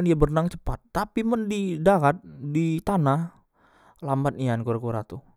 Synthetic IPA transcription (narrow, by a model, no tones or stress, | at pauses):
niabərnaŋt͡ʃə̥pat̪ːapiməndidaɾat̪̚dit̪anah | lambat̪̚niankuɾakuɾat̪u